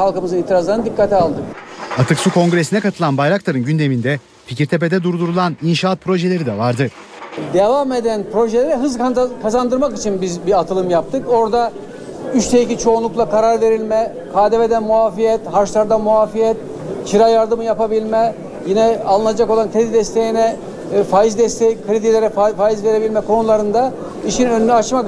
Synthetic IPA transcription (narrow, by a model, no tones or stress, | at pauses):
halˠkɯmɯzɯnit̪ʰiɾazlˠaɾɯnd̪ikʰːat̪ʰialˠd̪ɯkat̪ʰɯksukʰo̞ŋɡɾe̞sinɛkʰat̪ʰɯlˠanbajɾaklˠaɾɯnɟynd̪e̞mind̪ɛ | pʰiciɾt̪ʰe̞p̬e̞d̪ɛd̪uɾd̪uɾulˠaninʃaːt̪̚pʰɾo̞ʒelʲe̞ɾid̪ɛvaɾd̪ɯ | d̪e̞vame̞d̪ænpɾo̞ʒelʲeɾiɦɯzkkʰazand̪ɯɾmakit͡ʃʰinbizbiat̪ʰɯlˠɯmjap̚t̪ʰɯko̞ɾd̪a | yt͡ʃt̪ʰejicit͡ʃʰo̞ːnlˠuklˠakʰaɾaɾve̞ɾilʲmɛ | kʰaːd̪eve̞d̪ænmuafijɛt̪haɾʃt̪aɾd̪anmuaːfijɛt̪̚ | t͡ʃʰiɾajaɾd̪ɯmɯjapabilʲmɛ | jinɛalˠɯnad͡ʒako̞lˠankʰɾed̪id̪ɛst̪ʰe̞jinɛ | faːjizd̪ɛst̪ʰɛjkʰɾid̪ilʲeɾɛffaːjizve̞ɾe̞bilʲmɛkʰo̞nulˠaɾɯnd̪a | iʃinønnɛat͡ʃma